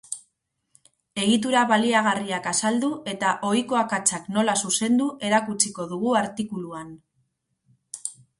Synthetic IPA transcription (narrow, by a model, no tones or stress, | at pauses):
e̞ɣit̪̬uɾaβaliaɣ̞ariakasald̪ue̞t̪aʔo̞jko̞akat͡sakno̞lasuse̞nd̪uʔe̞ɾakut͡siko̞ðuɣ̞uaɾt̪ikuluan